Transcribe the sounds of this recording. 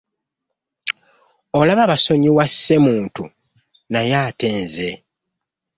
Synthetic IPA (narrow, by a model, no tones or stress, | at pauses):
o̞laβaβaso̞ɲiwasːe̞muːntu | najaːteːnze